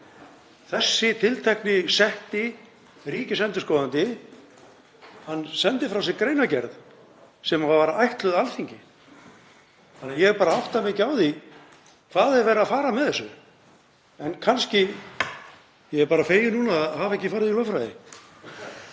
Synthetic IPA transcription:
θɛsːɪt̪ʰɪlt̪ʰɛhknɪsɛht̪ɪ | riːcɪsɛnt̪ʏskɔːðant̪ɪ | hanːsɛnt̪ɪfɾaws̬ɪkɾeːjnacɛɾð | sɛmavavaːɾaajht̪lʏðalθiɲcɪ | θanajɛɣɛɾpaːɾaawht̪amɪcɪaːwði | kʰvaːðɛðvɛːɾafaːɾamɛðθɛsːʏ | ɛnkʰanscɪ | jɛɣɛɾpaːɾafeːjɪnuːnaðhaːvaɛhcɪfaːɾɪðilœfɾajðɪ̰

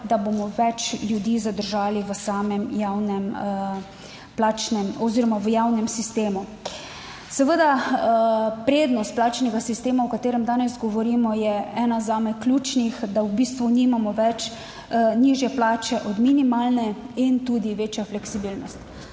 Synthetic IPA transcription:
d̪abomɔʋɛt͡ʃljud̪iːzad̪əɾʒaːliʋəsaːmɛmjawnɛm | plat͡ʃnɛmɔziɾɔmaʋəjaːwnɛmsist̪eːmu | sɛʋəd̪a | pɾeːd̪nɔst̪̚plaːt͡ʃnɛɡasist̪eːmawkat̪eːɾɛmd̪aːnɛzɡɔʋɔɾiːmɔjɛɛːnazaːmɛklʲjuːt͡ʃnixd̪awbiːst̪ʋuniːmamɔʋɛt͡ʃ | niʒjɛplaːt͡ʃɛʔɔd̪minimaːlnɛint̪ud̪iʋeːt͡ʃjaflɛksibilnɔst̪

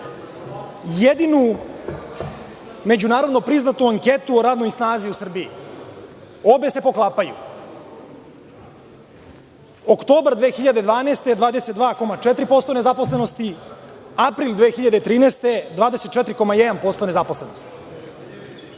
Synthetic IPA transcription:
jed̪inu | me̞d͡ʑunaːɾo̞d̪nopɾiznat̪uaŋket̪uɾaːd̪nuisnaːziusr̩biḭ | o̞be̞se̞po̞klˠaːpajṵ | okt̪o̞ːbɾd̪ʋexiʎad̪ed̪ʋaːneːst̪e̞d̪vaːd̪e̞set̪̚d̪vaːko̞mat͡ʂet̪ɾipo̞st̪o̞ne̞zapo̞slˠe̞no̞st̪i | apɾild̪ʋeːxiʎad̪et̪ɾiːneːst̪e̞d̪ʋaːd̪e̞se̞t̪̚t͡ʃɛt̪ɾiko̞majed̪anpo̞st̪onezaposlenost̪i̥

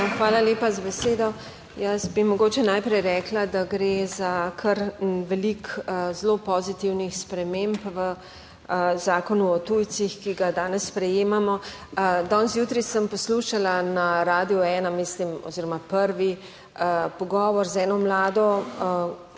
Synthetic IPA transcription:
xʋaːlaleːpazabɛseːd̪ɔ | jɐsbimɔɡoːt͡ʃɛnaːjpɾɛjɾɛːklad̪aɡɾezakʰəɾnʋɛlikzlopɔzit̪iwnixspɾɛmempʋə | zaːkɔnuɔt̪ujt̪sixkiɡad̪aːnɛsːpɾɛjeːmamɔ | d̪ɔnzjut̪ɾisəmpɔsluːʃalanaɾaːd̪iɔɛːnamislimɔ̰ziːɾɔmapəɾʋi | əpɔɡɔːʋɔɾzɛːnɔmlaːd̪ɔ

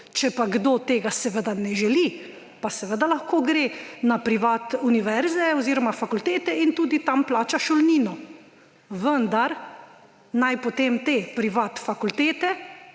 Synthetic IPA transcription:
t͡ʃɛpaɡd̪oːt̪eːɡasɛʋəd̪anɛʒɛli | pasɛʋəd̪alɐxkoːɡɾenapɾiʋaːt̪uniʋɛɾzɛɔziːɾɔmafakult̪eːt̪ɛint̪uːd̪it̪amplaːt͡ʃaʃɔlniːnɔ | ʋənd̪aɾ | najpot̪emt̪eːpɾiʋaːt̪fakult̪eːt̪ɛ

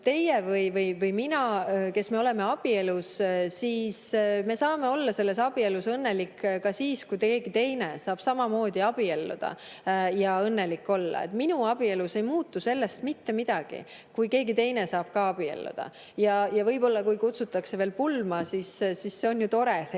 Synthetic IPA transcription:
t̪e̞jevɯjvɯjvɯjminɑke̞sme̞o̞le̞me̞ɑb̥ie̞lussiːsme̞sɑːme̞o̞lːɑse̞lːe̞sɑb̥ie̞lusɤnːe̞likːkɑsiːskujt̪e̞ːɡ̥it̪e̞jne̞̰sɑːb̥sɑmɑmo̞ːd̪̥iɑb̥ie̞lːṵd̪̥ɑ̰jɑɤnːe̞likːo̞lːɑ̰ḛt̪minuɑb̥ie̞luse̞jmuːt̪ːuse̞lːe̞st̪mit̪ːe̞mid̪̥ɑɡ̥ḭ | kujke̞ːɡit̪e̞jne̞sɑːb̥kɑɑb̥iḛlːṵd̪̥ɑ̰ | jɑjɑvɤjbo̞lːɑkujkut̪sut̪ːˑɑkse̞ve̞ːlpulmɑsissisːeo̞njut̪o̞ɾe

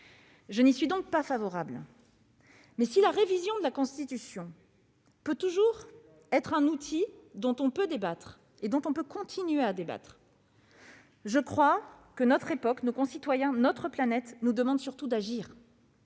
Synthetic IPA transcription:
ʒənisɥid̪ɔ̃k̚pafavɔʁabl | mɛsilaʁevizjɔ̃d̪əlakɔ̃st̪it̪ysjɔ̃ | pøt̪uʒuʁ | ɛt̪χɛ̃nut̪ʰid̪ɔ̃t̪ɔ̃pød̪ebat̪χ | ed̪ɔ̃t̪ɔ̃pøkɔ̃t̪ʰinɥead̪eba̰t̪χ | ʒəkχwakənɔt̪χepɔknokɔ̃sit̪wajɛ̃nɔt̪χəplanɛt̪nud̪əmɑ̃d̪syʁt̪ud̪aʒiːʁ

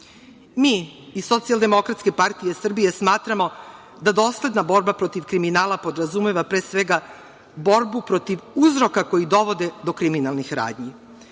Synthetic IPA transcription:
miːiso̞t̪sijald̪e̞mo̞kɾat̪ske̞paɾt̪ije̞sr̩bije̞smaːt̪ɾamo̞ | d̪ad̪o̞ːsle̞d̪nabo̞ɾbapɾo̞t̪iʋkɾiminaːlapo̞d̪ɾazume̞ʋapɾeːsʋeɡa | bo̞ɾbupɾo̞t̪iʋuzɾo̞kako̞jid̪o̞ʋo̞d̪e̞d̪o̞kɾiminalˠnixɾa̰ːd̪ɲi

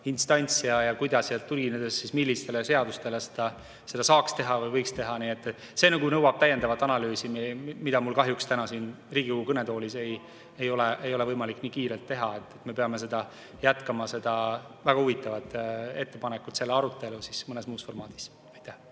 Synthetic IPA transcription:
inst̪ɑnʲt̪sijɑjɑkujd̪ɑsselt̪ːulɡined̪essismilːist̪e̞lese̞ɑd̪ust̪e̞lesed̪̥ɑ | se̞d̪̥ɑsɑːkst̪e̞ɦɑvɯjvɤjkst̪e̞ɦɑniːet̪ːˑ | se̞nɑɡunɤwɑb̥t̪æjːe̞nd̪ɑvɑt̪ːˑɑnɑlyːsimmid̪̥ɑmulkɑɦjukst̪ænɑsin | riːɡ̥ʲikoɡukɤne̞t̪o̞ːlʲise̞j | ejo̞leʔejo̞le̞vɤjmɑlikːniːkiːɾe̞lt̪ːe̞ɦɑet̪ːˑet̪me̞peɑme̞s̬e̞d̪ɑ | jæt̪kɑmɑse̞d̪̥ɑvæɡ̥ɑuvit̪ːˑɑvɑt̪ːˑe̞t̪ːe̞pɑnekːˑut̪se̞lːeɑɾut̪ːˑe̞lusismɤne̞smuːsfo̞rmɑːd̪̥i̥s | ɑjt̪ːæh

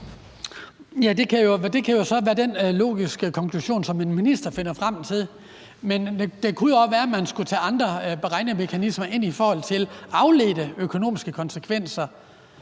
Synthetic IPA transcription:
jæd̥e̝kʰæjo̝d̥e̝kʰæjo̝sɒ̽ʋæːɐd̥enlo̝̰ːɡ̥isɡ̥əkʰɒ̽ŋkʰluɕo̝̰ːnsɒ̽me̝nminisd̥ɐfe̝n̰ɐfʁam̰t͡sʰe̝ðˠ | mend̥e̝kʰujo̝ɒsʋæːɐmænsɡ̥ut͡sʰɛ̰ːɑ̈nd̥ʁɐb̥eʁɑ̈ɪnəme̝kʰænismɐʔe̝n̰ifɒːhɒ̽l̰t͡sʰe̝lɑ̈ʊle̝̰ːd̥əøkʰo̝no̝̰ːmisɡ̥əkʰɒ̽nsəkʰʋen̰sɐ

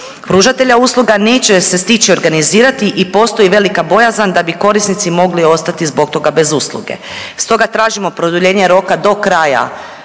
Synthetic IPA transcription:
pɾuʒat̪e̞ʎauːslˠuɡane̞ːt͡ɕe̞se̞st̪it͡ɕio̞ɾɡaniziːɾat̪iʔipo̞st̪o̞iʋe̞likabo̞jazand̪abiko̞ɾisnit̪simo̞ɡlio̞st̪at̪izbo̞kt̪o̞ɡabe̞zuːslˠṵɡe̞̰ | st̪o̞ɡat̪ɾaːʒimo̞pɾo̞d̪uʎe̞ːɲe̞ɾo̞kad̪o̞kɾaːja̰

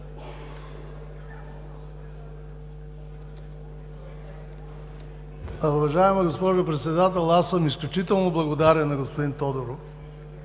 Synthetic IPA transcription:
uvɐʒaɛmɐɡospɔʒʊpɾɛt̪sɛd̪at̪ɛlˠasəmisklʲut͡ʃit̪ɛlˠnoblˠɐɡod̪aɾɛnːɐɡospod̪int̪ɔd̪oɾof

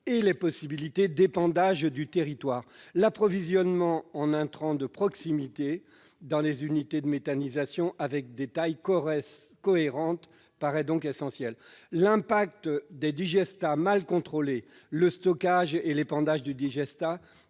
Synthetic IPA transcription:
elepɔsibilit̪ed̪epɑ̃d̪aʒd̪yt̪eʁit̪waːʁlapχɔvizjɔnmɑ̃ɑ̃nɛ̃t̪χɑ̃d̪əpχɔksimit̪e | d̪ɑ̃lezynit̪ed̪əmet̪anizasjɔ̃ʔavɛk̚d̪et̪ajk | kɔeʁɑ̃t̪ | paʁɛd̪ɔ̃kesɑ̃sjɛlːɛ̃pak̚t̪d̪ed̪iʒɛst̪amalkɔ̃t̪χole | ləst̪ɔkaʒelepɑ̃d̪aʒd̪yd̪iʒɛst̪a

